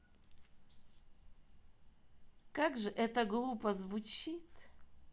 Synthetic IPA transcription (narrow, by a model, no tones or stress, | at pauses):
kakʐɨʔɛt̪ɐɡlˠupɐzvut͡ʃit̪